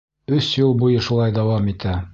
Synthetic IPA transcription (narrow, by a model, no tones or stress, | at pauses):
ɵsjulˠbujɤʃulˠɑjd̪æwɑmit̪æ